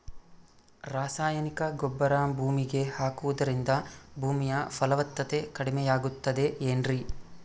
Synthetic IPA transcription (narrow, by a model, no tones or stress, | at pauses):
ɾaːsaːjɐnikɐɡɔbːɐɾaːmbʱuːmiɡe̞haːkuʋud̪ɐɾind̪ɐbʱuːmijɐfʰɐlɐʋɐt̪ːɐt̪e̞kɐɽimɛjaːɡut̪ːɐd̪e̞eːnɾi